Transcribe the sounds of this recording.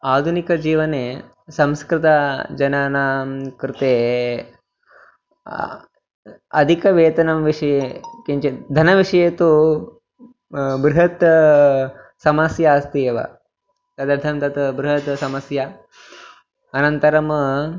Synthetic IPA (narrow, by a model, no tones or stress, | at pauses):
aːd̪ʱunikɐd͡ʒiːʋɐne | sɐ̃mskɾɪt̪ad͡ʒɐnaːnaːmkɾɪt̪eː | ɐ̰d̪ʱikɐʋeːt̪ɐnɐmʋiʂɐjekiɲt͡ʃed̪ʱɐnɐʋiʂɐjet̪u | bɾuɦɐt̪ | sɐmɐsjaːst̪ijeʋɐ̰ | t̪ɐd̪ɐɾt̪ʰɐmt̪ɐt̪bɾuɦɐt̪sɐmɐsja | ɐnɐnt̪ɐɾɐm